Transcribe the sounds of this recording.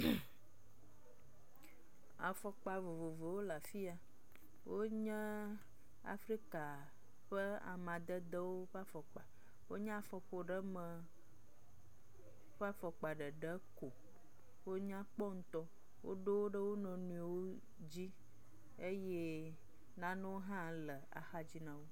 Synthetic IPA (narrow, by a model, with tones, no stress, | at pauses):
a̰˨fɔ˨k͡pa˨vo˨vo˨vo˨wo˦la˨fi˦a˨ | wʔo˦ɲɛ̃˦ | a̰˨fɾi˦ka˨ | ɸə˦a̰˨mã˨d̪ə˦d̪ə˦wo˦ɸa˦fɔ˨k͡pa˨ | wo˦ɲã˦a˨fɔ˨xo˨ɖə˦mə̃˨ | ɸa˦fɔ˨k͡pa˨ɖə˨ɖə˦ko˨ | wo˦ɲã˦k͡pɔ˦ŋ̩˦t̪ɔ˦ | wʔo̰˦ɖo˦wo˦ɖə˦wo˦nɔ̃˨nũ˨i˨wo˦ | d͡ʑi˦ | e˦je˦ | nã˨˦nɛ̃˦wo˦ɦã˦lə˨a̰˨xa˦d͡ʑi˦nã˨wo˦